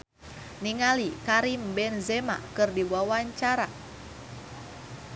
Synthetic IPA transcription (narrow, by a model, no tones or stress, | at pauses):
niŋalikaɾimbɛnzɛma̰kɨrdibawaɲt͡ʃaɾa